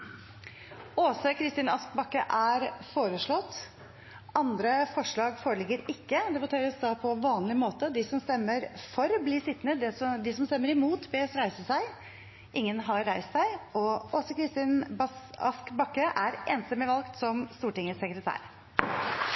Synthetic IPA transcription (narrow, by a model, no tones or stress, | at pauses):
oːsəkʰɾɪst̪iːnɑsk̚bɑkːəʔæɾfoːɾəʂɭɔt̪ː | ɑnd̪ɾəfɔʂɭɑːɡfoːɾəlɪɡːəɾɪkːəd̪ɛbʊt̪ʰeːɾəsd̪ɑːpʰɔʋɑːnlɪmoːt̪əd̪ɪsɔmst̪ɛmːəɾfɔɾbliːsɪt̪nəd̪ɛd̪ɪsɔmst̪ɛmːəɾɪmuːt̪bɛːsɾæɪsəsæɪ | ʔɪŋːənɦɑɾːæɪst̪sæɪɔoːsəkɾɪst̪ɪːnbɑɑ̰skbɑkːəʔæɾeːnsɛmɪʋɑlˠkt̪sɔmst̪uːʈɪŋːəsəkɾət̪ʰæ̰ːɾ